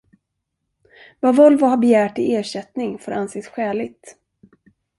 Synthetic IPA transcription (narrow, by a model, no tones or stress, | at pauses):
vavɔlvʊhaɾbɛjæːʈɪʔeːɕɛt̪nɪŋfoːɾanseːsɧɛːlɪt̪